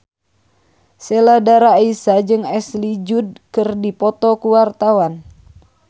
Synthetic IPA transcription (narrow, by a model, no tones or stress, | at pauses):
sɛladaɾaisad͡ʒɨŋɛslid͡ʒud̚kɨrdipɔt̪ɔkuwart̪awan